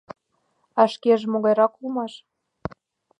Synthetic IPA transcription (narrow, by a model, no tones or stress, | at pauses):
ɑʃkeʒemoɣɑjɾɑkulmɑʃ